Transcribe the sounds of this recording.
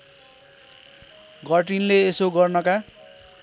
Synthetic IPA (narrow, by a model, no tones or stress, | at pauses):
ɡʌʈinleːsoɡʌrnʌka